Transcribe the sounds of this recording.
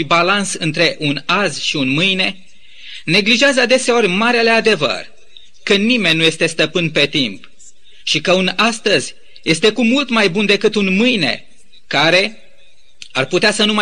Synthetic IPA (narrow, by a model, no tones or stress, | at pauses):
ibalansɨnt̪ɾe̞ʔunazʃiunmɨjne̞ | ne̞ɡliʒeazəd̪e̞se̞o̞rʲmaɾele̞ad̪e̞və̰r | kənime̞nʲːuje̞st̪e̞st̪əpɨnpe̞t̪imp | ʃikəunast̪əzʲ | je̞st̪e̞kumult̪majbund̪e̞kɨt̪unmɨjne̞̰ | kaɾe̞ | a̰rput̪easənuma